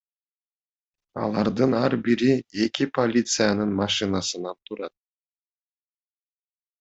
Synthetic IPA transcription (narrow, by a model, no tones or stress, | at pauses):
ɑ̰lˠɑɾd̪ɯnɑɾbiɾie̞kʲipʰolʲit̪sɨjanɯnmɑʃɨnɑsɯnɑnt̪ʰuɾɑt̪̚